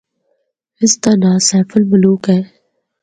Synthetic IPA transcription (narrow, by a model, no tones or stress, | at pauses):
ɪst̪anaːsɛːfəlmʊluːkɦɛː